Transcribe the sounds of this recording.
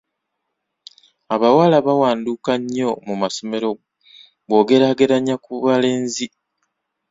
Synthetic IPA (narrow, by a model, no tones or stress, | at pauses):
aβawalaβawaːnduːkaɲːo̞mumaso̞me̞ɾo̞ | βo̞ːɡe̞ɾaːɡe̞ɾaɲːakuβale̞ːnzi